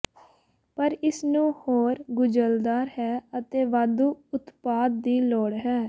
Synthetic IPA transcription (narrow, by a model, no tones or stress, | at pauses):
pəɾɪsnũːhoːɾɡʊd͡ʒəld̪aːɾɦɛːət̪eːʋaːd̪uːʊt̪paːd̪̚ːiːlɔːɽɦɛː